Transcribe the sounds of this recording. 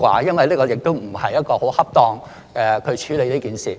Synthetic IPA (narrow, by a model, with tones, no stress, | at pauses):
kʷa̰ː˧jɐ˥nwɐ˨jliː˥kɔː˧jɪ˨k̚t̪o˥wm̩˨˩hɐ˨jɐ˥t̚kɔː˧ho˨˥whɐ˥p̚t̪ɔː˧ŋ | ɛ˨˧kʰɵ˨˧t͡ʃʰyː˨˥le˨˧jliː˥kiː˨nsiː˨˩